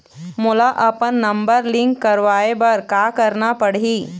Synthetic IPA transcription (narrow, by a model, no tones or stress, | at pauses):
mʊlaʔɐpənːɐmbəɾlɪ̃ŋkːɐɾʋaːebɐɾkaːkɐɾnapɐɽiː